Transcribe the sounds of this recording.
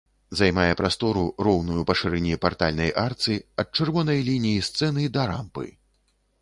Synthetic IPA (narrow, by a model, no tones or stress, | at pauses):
zajmajɛpɾast̪ɔɾurɔwnujupɐʂɨɾɛnʲipart̪a̰lʲnɐjʔart̪sɨiɐt̪̚t͡ʂɨrvɔnɐjlʲinʲijist̪sɛnɨd̪ɐɾa̰mpɨ̰